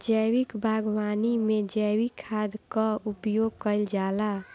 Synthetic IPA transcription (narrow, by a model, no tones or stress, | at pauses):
d͡ʒəjwikbʱaɡwanimed͡ʒəwikʰːad̪kəupjoɡ̚kəɪld͡ʒala